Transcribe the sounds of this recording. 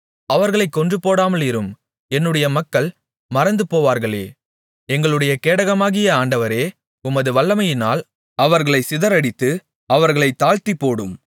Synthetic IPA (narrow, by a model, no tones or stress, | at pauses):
ɐʋɐɾɣɐɭɐɪkːɔndrɯpoːɽaːmɐlɪɾɯm | ɛnːɯɽɐjɐmɐkːɐɭ | mɐɾɐnd̪ɯpoːʋaːɾɣɐɭḛː | ɛŋɡɐɭɯɽɐjɐkeːɽɐɣɐmaːɣɪjɐaːɳɖɐʋɐɾeː | ʊmɐðɯʋɐɭːɐmɐjɪna̰ːl | ɐʋɐɾɣɐɭɐɪsɪðɐɾɐɽɪt̪ːɯ | ɐʋɐɾɣɐɭɐɪt̪ːaːɻt̪ipːoːɽɯm